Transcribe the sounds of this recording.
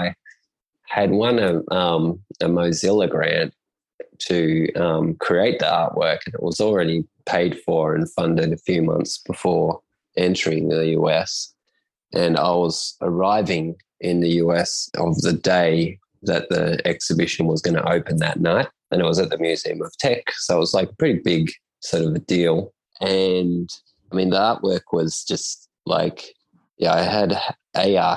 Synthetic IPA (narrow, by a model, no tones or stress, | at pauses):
ɪ | ɨd̚wʌ̃nʌʌ̃mɨmoʊzɪlˠəɡɹæ̃n | tʰɨʌ̃mkʰɹ̥ieɪt̪̚ðiɑɹʔ̚wɜ˞kɨ̃nɨ̰ʔ̚wʌzl̩ˠɹɛɾipʰeɪd̥fə˞ɨ̃nfʌ̃ndɨɾɨfjʉmʌ̰̃nθsb̥əfɔɹ | ʔɛ̃ntʰə˞ɪ̃ŋɨjʉɛs | ʔɨ̃na̰ɪwʌz̥ə˞aɪvɪ̃ŋ | ʔɪ̃nðɨjʉɛsʌ̰vðɨdeɪ | ðɨt̪̚ðḭɛksɨbɪʃɨ̃nwʌzɡʌnə̰ʔoʊpɨ̃nðɨ̰tⁿnaɪt̚ʔɨ̃nɨt̚wʌzɨt̪̚ðɨmjʉziɨ̃mʌv̥tʰɛksoʊət̚wʌz̥laɪkə̥pʰɹ̥ɪɾibɪɡ | sɔɹɾʌvɨdilˠ | ʔɨ̃n | aɪmĩnðiɑɹʔwɜ˞kʰwʌz̥d͡ʒʌst | la̰ɪk | jæaɪɨɾʔeɪɑ